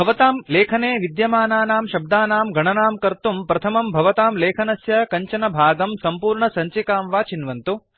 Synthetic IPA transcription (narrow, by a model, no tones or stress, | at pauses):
bʱɐʋɐt̪aːmleːkʰɐneːʋid̪jɐmaːnaːnaːmʃɐb̚d̪aːnaːmɡʱɐɳɐnaːmkɐɾt̪umpɾɐt̪ʰɐmɐmbʱɐʋɐt̪aːmleːkʰɐnɐsjɐkɐɲt͡ʃɐnɐbʱaːɡɐmsɐmpuːɾɳɐsɐɲt͡ʃikaːmʋaːt͡ʃinʋɐnt̪u